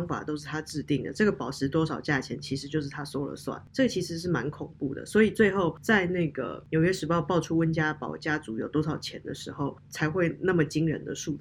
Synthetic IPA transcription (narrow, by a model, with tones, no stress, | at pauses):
ŋfa̰˨˩t̪o˥ʊʂ̬̩˥˩t̪ʰa˥ʈ͡ʂɻ̩˥˧t̪i˥˩ŋd̪ə̰˩ʈ͡ʂɤ˥˩ɡə˩pɑ˨˩ʊʂʰɻ̩˧˥t̪wɔ˥ʂɑ˨˩ʊt͡ɕja˥˩t͡ɕʰjɛ˧˥nt͡ɕʰi˧˥ʂɻ̩˧˥t͡ɕjo˥˧ʊʂɻ̩˥˩t̪ʰa˥swɔ˥lə̰˨˩swa̰˨˩nʈ͡ʂɤ˥˩ə˩t͡ɕʰi˧˥ʂɻ̩˧˥ʂ̬ɻ̩˥˩ma˧˥nkʰʊ˨˩ŋpu˥˩d̪ə̰˩swɔ˧˥i˨˩t͡swe˥˧ɪxo˥˧ʊt͡sa˥˧ɪna˥˩ɡə̰˩njo˨ʊɥɛ˥ʂɻ̩˧˥pʊpɑ˥˨˩ʊʈ͡ʂʰu˥wə˥nt͡ɕja˥pɑ̰˨˩ʊt͡ɕja˥t͡su˧˥jo˨˩ʊt̪wɔ˥ʂɑ˨˩ʊt͡ɕʰjɛ̰˧˥nd̪ə̰˨ʂɻ̩˧˥xo˥˨˩ʊt͡sʰa˧˥ɪxwe˥˧ɪna˥˩mə˩t͡ɕi˥ŋɻə̰˧˥nd̪ə˨ʂu˥˧t͡s̩˥˩